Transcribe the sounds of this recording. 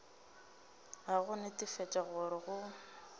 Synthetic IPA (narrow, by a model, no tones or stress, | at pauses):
aɣʊnɪtʼɪfɛt͡ʃʼaɣʊɾɪɣʊ